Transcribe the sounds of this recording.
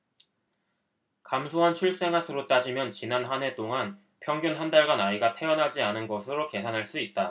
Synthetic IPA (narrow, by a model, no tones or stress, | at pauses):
kamsʰoɦant͡ɕʰuɭs͈e̞ŋɦasʰɯɾot͈ad͡ʑimjʌnt͡ɕinanɦane̞t͈oŋan | pʰjʌŋɡjunɦandaɭɡanaiɡatʰe̞ʌnɦad͡ʑianɯnɡʌsʰɯɾoke̞sʰanɦaɭs͈uit̚t͈a